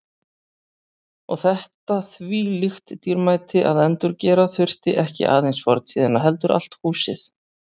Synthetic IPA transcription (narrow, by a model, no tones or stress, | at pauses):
ɔɣθɛht̪aθviːlixt̪ːiɾmaːjt̪ɪʔaðɛnt̪ʏɾcɛːɾaθʏr̥t̪ɪʔɛhcɪ̰ʔa̰ːðejnsfɔɾt̪siːðanːaɦɛlt̪ʏɾʔa̰l̥t̪huːsɪ̰θ